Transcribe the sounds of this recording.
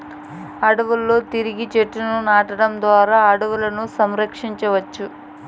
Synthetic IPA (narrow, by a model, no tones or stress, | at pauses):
ɐɽɐʋulːo̞ːt̪iɾiɡit͡ʃeʈːununaːʈɐɽɐmd̪ʋaːɾaːɐɽɐʋulɐnusɐmɾɐkʂiɲt͡ʃɐʋɐt͡ʃːu